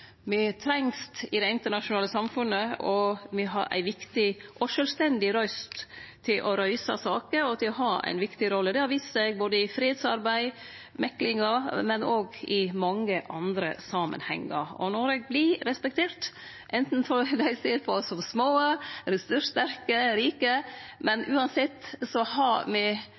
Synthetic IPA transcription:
mɪt̪ʰɾɛŋst̪ɪd̪ɛɪɪnt̪əɳɑʂʊnɑːləsɑmfʉnːəɔmɪɦɑ̰ɾʔæ̰ɪʋɪkt̪ɪʔɔʂœlst̪ɛnd̪ɪɾœst̪ʰː | ɪlʔɔɾœʏsɑ̰sɑːkəɾɔt̪ɪlɔɦɑːʔæ̰ɪnʋɪkt̪ɪɾɔlːəd̪ɛɑɾʋiːsəɛɡ̚boːd̪əɪfɾiːed̪sɑɾbæɪ | mɛklɪŋɑmɛnoːɡɪmɑŋːəʔɑnd̪ɾəsɑːmə̰nhɛ̰ŋːə̰ɾɔ̰nɔɾɛɡ̚blɪɾɛspɛk̚t̪ʰeːɾt̪ | ʔɛnt̪n̩fɔd̪æɪseːɾpʰɔsɔmsmoːəɾɛsʉt̪æɾkəɾiːkəmɛnʔʉːɑnsɛt̪ːsɔhɑmɪ

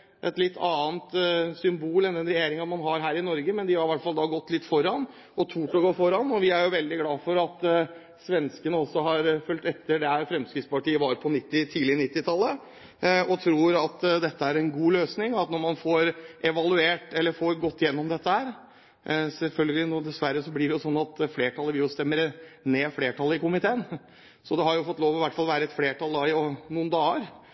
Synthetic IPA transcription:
ʔɛ̰t̪lɪt̪ːɑːənt̪sʏmbuːlɛnd̪ɛnɾɛjeːɾɪŋɑmɑnɦɑɾɦæːɾɪnɔɾɡəmɛnd̪ɪhɑɾɪʋæʈfɑld̪ɑːɡɔt̪ːlɪt̪ːfɔɾɑn | ɔt̪ʰuːʈɔɡoːfɔɾɑnːɔʋɪæɾjʊʋɛld̪ɪɡlɑːfɔɾɑt̪ | sʋɛnskənəɔsːɔɦɑɾfœlt̪ɛt̪ːəɖɛæɾfɾɛmskɾɪt̪spɑʈiːəʋɑɾpʰɔnɪt̪ːɪt̪ʰiːlɪnɪt̪ːɪt̪ʰɑlːə | ɔt̪ʰɾuːɾɑt̪d̪ɛt̪ːəæɾɛnɡuːløːsnɪŋɔɑt̪nɔɾmɑnfoɾʔɛʋɑlʉeːʈɛlːəfoːɾɡɔt̪ːɪjɛnːɔmd̪ɛt̪ːəhæːɾ | sɛlfœlɡəlɪnud̪ɛsʋæɾːəsɔblɪɖɛjʊsɔnːɑt̪fleːʈʰɑlːəʋɪjʊst̪ɛmːəɾneːfleːʈʰɑlːəɪkʊmɪt̪ʰeːən | sɔd̪ɛhɑɾjʊfɔt̪ːloːʋɔʋɪʋæʈːfɑlʋæːɾəɛt̪fleːʈʰɑlˠd̪ɑːɪnuːənd̪ɑːəɾ

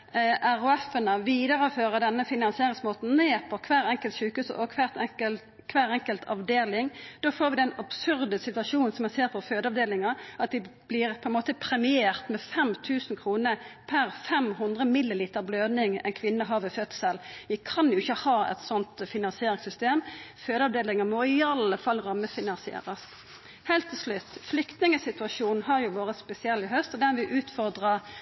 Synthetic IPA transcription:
ʔæʁʊɛfənəʋiːd̪əʁəføːʁəd̪ɛnːəfɪnɑnsɪeːʁɪŋsmoːt̪n̩neːpʰɔkʰʋæːʁɛŋkəlt̪ʃʉːkhʉːsʔɔkʰʋæːʁt̪əl | kʰʋæːʁɛŋkəlt̪ʰɑ̰ʋd̪eːlɪŋd̪̥oːfoːʁɾʋɪd̪ɛnɑb̥sʉʁd̪əsɪt̪ʉɑʃuːnn̩sɔmæseːʁpʰɔføːd̪əɑʋd̪eːlɪŋɑʔɑt̪d̪ɪb̥lɪʁpʰɔɛnmoːt̪əpʰɾɛmɪeːʁt̪mɛfɛmt̪ʰʉːsnkʰʁuːnəpʰæʁfɛmɦʊnd̪ʁəmɪlːɪliːt̪əʁbløːd̪nɪŋɛ̰ɪnkʰʋɪnːəɦɑːʋəfœd̪̥səlʋɪkʰɑnjʊɪçːəhɑːɛ̰t̪sɔnt̪fɪnɑnsɪeːɾɪŋsʏst̪eːmføːd̪ɑʋd̪eːlɪŋəmɔɪɑləfɑlːʁɑmːəfɪnɑnsɪḛːɾəs | hɛːlt̪ʰːɪlʂlʉt̪ːflʏkt̪nɪŋəsɪt̪ʉɑʂuːnn̩ɦɑʁjʊʋoːʁəspɛsɪɛlːɪɦœst̪ɔd̪ɛnʋɪʔʉːt̪fɔʁd̪ʁə

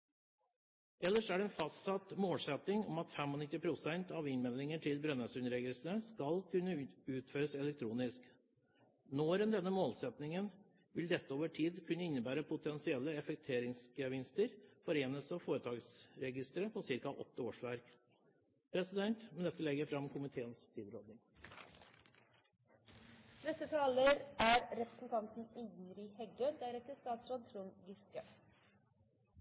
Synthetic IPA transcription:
ɛlːəʂæɖɛːnfɑst̪sɑt̪moːlsɛt̪nɪŋɔ̰mɑt̪fɛmɔnɪt̪ːɪpʰɾʊsɛnt̪ɑʋɪnmɛlːɪŋəʈʰɪlbɾœnːɑːsʉnəɾɛɡɪlsənəskɑlkʰʉnːəʉːt̪føːɾəsɛlɛk̚t̪ʰɾuːnɪsk | noːɾənd̪ɛnːəmoːlsɛt̪nɪŋən | ʋɪld̪ɛt̪ːəoːʋəʈʰiːd̪kʰʉnːəɪnːəbæːɾəpʰʊt̪ʰɛnsɪɛlːəɛfɛk̚t̪ʰeːɾɪŋskəʋɪnst̪əɾfɔɾeːnəsɑfoːɾət̪ʰɑːɡsɾɛɡɪst̪ɾəpʰɔsɪɾkɑʔɔ̰t̪ːəoːʂʋæɾk | pʰɾɛsɪd̪ɛnt̪mɛnd̪ɛt̪ːəlɛɡəɾfɾɑmkʰʊmɪt̪ʰeːənst̪ʰiːd̪ɾoːd̪nɪŋ | nɛst̪ːət̪ʰɑːləɾæːɾɾɛpɾəsn̩t̪ʰɑnt̪n̩ɪd̪n̩ɾihɛɡəd̪æɾɛt̪əst̪ɑːt̪sɾoːd̪̚t̪ʰɾunɡɪskə

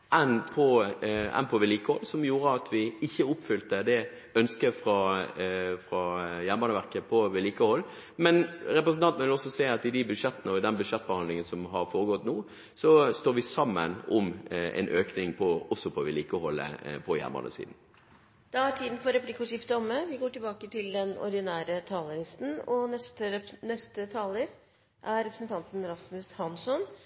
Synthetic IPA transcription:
ʔɛnpʰɔɛ̰npʰɔʋɛliːkəhɔlːsɔmjuːɾəɑt̪ʰʋɪɪçːəʊpːfʏlt̪əd̪ɛ | œnskəɾfɾɑ | fɾɑjæɾmbɑnəʋæʁɾkəpʰɔʋɛliːkəhɔlː | mɛnɾɛpɾəsn̩ɑnt̪n̩ʋɪlɔsːɔsæɪɑt̪ɪd̪ɪbʉd̪ʂɛt̪ːənəɔɪd̪ɛnbʉd̪ʂɛt̪ːbəhɑnd̪lɪŋənsɔmɦɑɾfoːɾəɡɔt̪ːnuː | sɔst̪oːɾʋɪsɑmːə̰nʊmɛ̰nʔøːknɪŋpʰɔɔsːɔpʰɔʋɪliːkəhɔlːə̰pʰɔjæ̰ʁmə̰nə̰sḭd̪n̩ | d̪̥ɑæʈʰiːd̪n̩fɔɾɛplɪkːʊʂɪft̪əɔmːəʋɪɡoːʈɪlbɑːkət̪ɪld̪ɛnɔ̰ɾd̪ɪnæːɾət̪ʰɑːləlɪst̪n̩ɔnɛst̪ənɛst̪ət̪ʰɑːləɾ | ʔæɾɾɛpɾəsnt̪ʰɑnt̪n̩ɾɑsmʉshɑnsɔn

